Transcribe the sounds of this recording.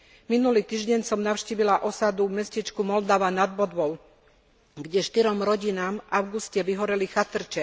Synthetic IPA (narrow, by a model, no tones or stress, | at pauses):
minuliːt̪iːʒɟɛɲsɔmnaʊʃciːʋilaʔɔsad̪umɛscit͡ʃkumɔld̪aʋanad̪bɔd̪ʋɔʊ | ɡɟɛʃt̪iɾɔmɾɔɟinaːmaʊɡuscɛʋiɦɔɾɛlixat̪r̩t͡ʃɛ